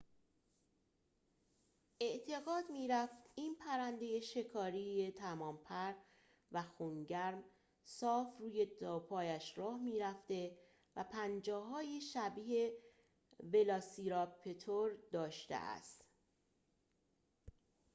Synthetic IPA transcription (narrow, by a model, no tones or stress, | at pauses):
ʔe̞ʔt̪ʰe̞ɣɒːd̪miːɾæft̪iːnpʰæɾænd̪ejeʃe̞kʰɒːɾijet̪ʰæmɒːmpʰæɾ | væxuŋɟæɾm | sɒːfruːje̞d̪ɒːpʰɒːjæʃɾɒːhmiːɾæft̪e̞ | væpʰænd͡ʒɒːɦɒːjeʃæbiːhe̞ | ve̞lɒːsiɾɒpʰet̪ʰoɾd̪ɒːʃt̪ḛʔæ̰st̪